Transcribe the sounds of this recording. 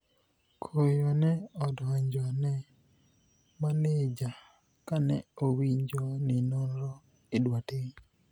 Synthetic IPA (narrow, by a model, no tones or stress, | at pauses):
kʰojɔnɛɔdɔaɲd͡ʒɔnɛ | maned͡ʒa | kanɛowiɲd͡ʒɔnɪnonɾɔ | ɪdwatɪɲ